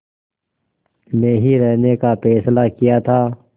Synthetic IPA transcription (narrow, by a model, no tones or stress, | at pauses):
mẽːɦiɾɛɦnekapʰɛːslakijat̪ʰaː